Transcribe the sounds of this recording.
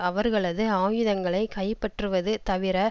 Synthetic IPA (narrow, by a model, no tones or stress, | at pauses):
ɐʋɐɾɣɐɭɐðɯaːjɯðɐŋɡɐɭɐɪkɐɪpːɐʈrɯʋɐðɯt̪ɐʋɪɾɐ